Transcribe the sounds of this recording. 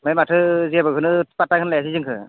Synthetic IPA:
majmatʰɯziabɯkʰɯnɯpatakʰɯnlajas̬izɯŋkʰɯ̰

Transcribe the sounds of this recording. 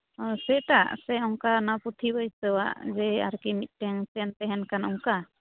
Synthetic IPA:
sɛʈaʔsɛɔŋkanaput̪ʰibəjst̪əwa̰ʔd͡ʒɛa̰ɾkimit̪̚ˀʈɛŋt͡ʃɛnt̪ɛɦɛnkanɔŋka

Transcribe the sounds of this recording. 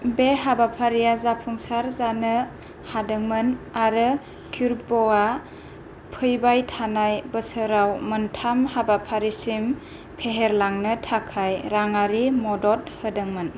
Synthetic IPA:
beɦabapʰaɾijazapʰuŋsaɾzanɯ | hadɯŋmɯnaɾɯ | kʰuɾbɔa | pʰɯjbajtʰanajbəsɯɾawməntʰamhabapʰaɾisim | pʰeɦeɾlaŋnɯtʰakʰajɾaŋaɾimɔdɔt̚hədɯŋmɯn

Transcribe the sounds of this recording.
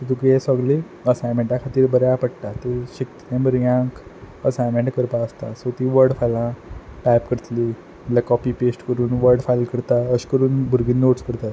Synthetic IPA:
t̪əd̪ukɾiesɔɡle | əsajmẽɳʈakʰat̪iːɾbəɾjapəɽt̪at̪eɕik̚t̪nẽməɾjãŋk | əsajmẽɳʈkəɾpaəst̪a̰sot̪iʋəɾɖfajlãʈapkəɾt̪li | əlakɔpipesʈkəɾuːnʋəɾɖfajlkəɾt̪aəɕkəɾuːnbʱuɾɡinːoʈskəɾt̪at̪

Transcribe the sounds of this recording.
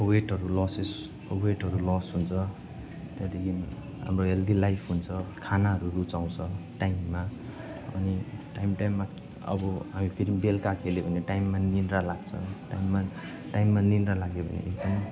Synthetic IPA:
weʈɦʌɾulɔses | weʈɦʌɾulɔsɦunt͡sʰʌ | t̪jad̪ekʰi | ɦa̰mɾoɦeld̪ilajpʰɦunt͡sʰʌkʰanaɦʌɾuɾut͡saw̃t͡sʰʌʈajmːa | ʌ̰niʈajmʈajmːa | ʌ̰bʌɦamipʰiɾmbelkakʰeleɦuniʈajmːaninɾalaɡt͡sʰʌ̰ʈa̰jmːa | ʈajmːaninɾalaɡebʱʌ̰nḭḛkd̪ʌm

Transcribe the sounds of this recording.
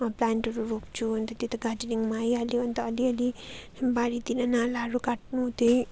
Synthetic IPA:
plaːnʈɐɾuɾoːpt͡ʃʰunt̪ɐt̪it̪ɐɡad͡ʒniŋmaːialiɐnt̪ɐːliəli | baːɾit̪inanaːlaːɾukaʈnut̪i

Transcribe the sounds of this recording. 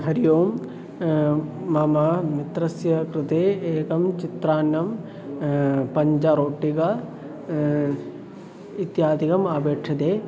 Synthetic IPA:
ɦɐɾijoːm | ɐmɐmit̪ɾɐsjɐkɾɨt̪eːeːkɐmt͡ʃit̪ɾaːnjɐm | pɐɲd͡ʒɐɾoːʈːikɐ | it̪jaːd̪ʱikɐmaːbeːkʂʰɐt̪eː

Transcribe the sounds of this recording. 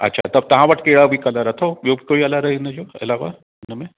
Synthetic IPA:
ɐ̰tːʃʰa̰t̪ɐb̚t̪ɐɦãʋɐʈkeːɽabʱikɐlaɾɐt̪ʰojoːbʱikoːiɐlaɾɐɦined͡ʒoːɐ̰laːʋa̰ | nəmẽ

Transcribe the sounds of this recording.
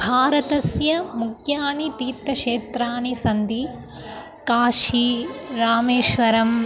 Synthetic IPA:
bʱaːɾɐt̪ɐsjɐmukʰjaːnit̪iːt̪ːɐʂeːt̪ɾaːnisɐnd̪i | kaːʃiɾaːmeːʃʋɐɾɐm

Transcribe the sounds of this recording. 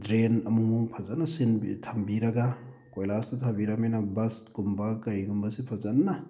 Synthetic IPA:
dɾenɐmumupʰazanːɐsinbtʰɐmbiɾɐɡa | kojlastʰɐtʰabiɾɐmajnɐbɐsɡumbakɐɾiɡumbɐsipʰazanːa

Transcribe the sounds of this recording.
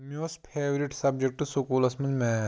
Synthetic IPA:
mioːspʰeːʋɾiʈsɐbd͡ʒek̚ʈusokuːlɐsmɐ̃nd͡ʒmɛ̃

